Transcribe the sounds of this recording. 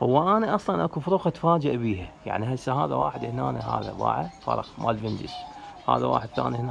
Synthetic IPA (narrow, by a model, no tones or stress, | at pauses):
hʊwːaʔanaʔɑsˤlɑnʔakufʊɾuːɣat̪faːd͡ʒɪʔbiːhaja̰ʕniɦasːaɦaːðawaːħɪd̪hnaːnaɦa̰ːða̰ba̰ːʕafɑ̰ɾˤɑ̰qmʔa̰lvɪnd̪ɪʃha̰ːðawa̰ːħɪd̪̚θa̰ːnihna